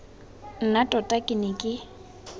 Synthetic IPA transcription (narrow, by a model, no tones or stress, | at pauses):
n̩natʼɔtʼakʼɪnɪkʼɪ